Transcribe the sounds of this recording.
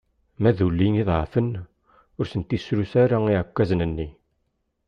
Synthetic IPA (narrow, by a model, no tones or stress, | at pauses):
mæðulːiniðˤʁəfən | ʊɾsənt̪isɾusaɾaiʕəkʷːæznənːi